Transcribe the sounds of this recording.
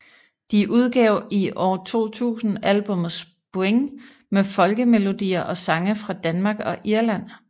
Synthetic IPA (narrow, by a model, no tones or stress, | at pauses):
d̥iʔuð̞ˠɡ̥ɛʊiʔɒ̰ːt͡sʰo̝̰ːt͡sʰṵːsn̩ælb̥ɔ̽m̰ð̩ˠs | pʰo̝eŋ | mefɒ̽lɡ̥əme̝lo̝d̥ḭːɐʔɒ̽sɑ̈ŋəfʁɑ̈d̥ænmɑ̈ːɡ̥ɒ̽ʔiɐlæn̰